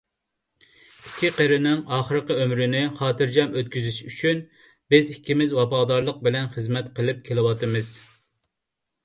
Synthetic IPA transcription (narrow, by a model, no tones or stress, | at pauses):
i̥kʲʰːiqəɾɪnɪŋɑːχəɾɨqəømɾɪnɪχɑːt̪ɨɾd͡ʒɛmøt̪̚kʲyzyʃyt͡ʃʰyn | bɪzikʲʰːimɪzwɑpɑːd̪ɑɾlˠəq̚bɪlɛnχəzmɛt̪qəlˠɪp̚kʲʰelɨwɑt̪ɨmɨz